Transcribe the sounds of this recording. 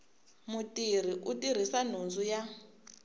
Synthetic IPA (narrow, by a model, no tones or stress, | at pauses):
mutir̤iʔutiɾ̤isan̤und͡zuja